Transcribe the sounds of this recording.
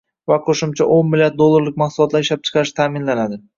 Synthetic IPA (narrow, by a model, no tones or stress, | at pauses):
vaqʰoʃɪmt͡ʃʰaʔonmɪljat̪̚d̪olˠːaɾlɪk̚ʲmɑqsʊlˠɒt̪laɾɪʃlap̚t͡ʃʰɨ̥qʰɑɾɪʃt̪ʰaːmɪnlanad̪ɪ